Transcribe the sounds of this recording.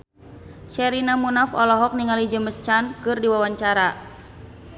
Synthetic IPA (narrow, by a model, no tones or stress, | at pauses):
ʃɛɾinamunafɔ̰lɔɦɔk̚niŋalid͡ʒəməst͡ʃankɨrdiwawaɲt͡ʃaɾa